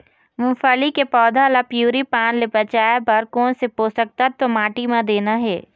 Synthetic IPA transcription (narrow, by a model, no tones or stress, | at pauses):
mʊ̃fəlikepɔːd̪ʱalapjuːɾipãːnlebɐt͡ʃaːebɐɾkoːnsepoːsək̚t̪at̪omaːʈimãd̪eːnaɦɛː